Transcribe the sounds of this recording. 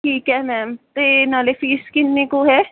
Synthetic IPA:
ʈʰiːkɦɛmɛːmt̪enaːlefiːskɪnːekoɦɛː

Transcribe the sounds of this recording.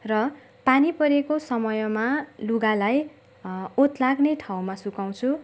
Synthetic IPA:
rʌ | panipʌɾekosʌmʌjʌmaluɡalaj | ot̪laɡneʈʰaw̃masukaw̃t͡sʰu

